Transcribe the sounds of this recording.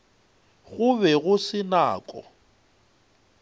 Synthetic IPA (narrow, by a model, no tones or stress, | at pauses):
ɣʊβɛɣʊsɪna̰ːkʼɔ̰